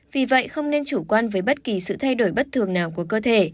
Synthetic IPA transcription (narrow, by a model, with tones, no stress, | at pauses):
vi˨˩və̰˧˨jxə˧wŋ͡mne˧nt͡ɕu˧˩kwaː˧nvəː˨˦jɓə˦˥t̚ki˨˩sɨ̰˧˨t̪ʰa˧jɗo˧˩jɓə˦˥t̚t̪ʰɨ˨˩əŋnaː˨˩wku˧˩əkəː˧t̪ʰe˧˩